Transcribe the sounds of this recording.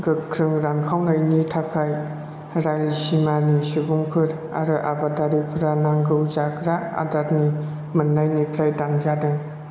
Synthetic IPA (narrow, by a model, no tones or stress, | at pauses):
ɡɯkʰɾɯŋɾankʰawnajnitʰakʰaj | ɾajlisimanisɯbuŋpʰɯɾ | a̰ɾɯʔa̰badaɾipʰɯɾanaŋɡɯwzakʰɾaa̰datni | mɯnːajnikʰɾajdanzadɯŋ